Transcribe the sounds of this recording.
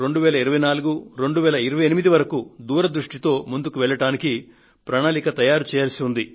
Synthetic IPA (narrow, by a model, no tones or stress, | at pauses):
ɾe̞ɳɖuʋɛːlɐiɾɐʋɐjnaːluɡuɾe̞ɳɖuʋɛːlɐiɾɐʋɐjenimid̪iʋɐɾɐkud̪uːɾɐd̪ɾuʂʈit̪o̞ːmund̪ukuʋɛɭːɐʈaːniki | pɾaːɳaːlikɐt̪ɐjaːɾut͡ʃɛːjaːlɐsiund̪i